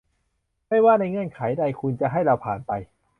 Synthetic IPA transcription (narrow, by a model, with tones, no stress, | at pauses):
ma˥˩jwaː˥˩na˧jŋɯ˧˩ənkʰa˩˦jda˧jkʰu˧nt͡ɕa˨ʔɦa˥˩jɾa˧wpʰaː˨˩npa˧j